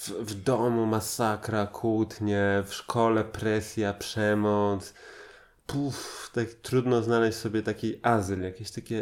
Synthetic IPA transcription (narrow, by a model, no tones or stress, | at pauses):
vvd̪ɔmumasakɾakʰut̪ɲɛfʂkʰɔlɛpɾɛsʲjapʂɛmɔt̪s | puft̪akʲt̪ɾud̪nɔznalɛɕt͡ɕʲsɔbʲjɛt̪akʲiʔazljakʲeɕt̪akʲɛ